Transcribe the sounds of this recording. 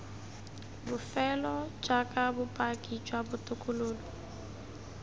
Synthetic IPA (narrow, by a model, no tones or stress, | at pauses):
bʊfɛlɔd͡ʒʼakʼabʊpʼakʼit͡ʃʼwabʊtʼʊkʼʊloːlɔ